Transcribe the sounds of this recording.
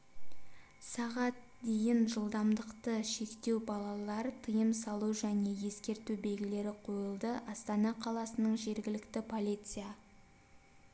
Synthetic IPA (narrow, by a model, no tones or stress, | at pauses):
sɑʁɑt̪̚ | d̪e̞jɪnʒəlˠd̪ɑmd̪əqt̪əʃe̞kt̪e̞wbɑlˠɑlˠɑɾt̪ʰəjəmsɑlˠuwʒæne̞je̞skʲe̞ɾt̪ube̞lɡʲɪle̞ɾɪqʰo̞jəlˠd̪əʔɑst̪ɑnɑqʰɑlˠɑsənəɴʒe̞ɾɡʲɪlɪkt̪ɪpʰo̞lʲit̪sɨja